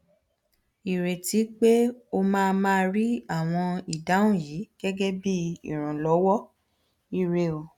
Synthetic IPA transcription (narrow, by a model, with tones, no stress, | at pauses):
i˨ɾe˨ti˨˦k͡pe˦o˧mãː˦˧mãː˦˧˦ɾi˦a˦˨w̃ɔ̃˧i˨da˨˦ũ˦˨jiː˨˦ɡ̥ɛ˦ɡɛ˦bi˦ḭ˦˨ɾ̃ã˨lɔ˨˦wɔ˦ | i˦ɾe˧o˨